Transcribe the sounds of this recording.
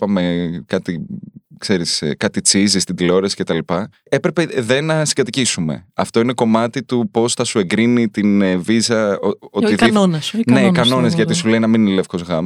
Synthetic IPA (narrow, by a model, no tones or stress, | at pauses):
pɐme̞kɐt̪ikse̞ɾiskɐt̪it͡sizist̪ind̪ilo̞ɾɐsi̥cet̪ɐlipɐ | e̞pɾe̞peðe̞nɐsi̥ɡɐt̪icisume̞̰ɐ̰ft̪o̞ine̞ko̞mɐt̪it̪upo̞sθɐsue̞ŋɡɾinit̪invizɐoo̞t̪iðonɐsne̞ikɐno̞nezʝɐt̪isule̞inɐmininele̞fko̞zɣɐmɐ